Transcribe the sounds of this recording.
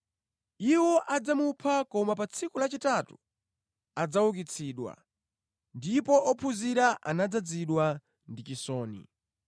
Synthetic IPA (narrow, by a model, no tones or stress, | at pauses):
iwɔʔad͡zamupʰakɔmapat͡sʰikulat͡ʃitatu | ad͡zawuk̬it͡sʰiːɗwa̰ | ndipɔʔɔpʰuziɾaʔa̰nad͡zad͡ziɗwa | ndit͡ʃisɔːnḭ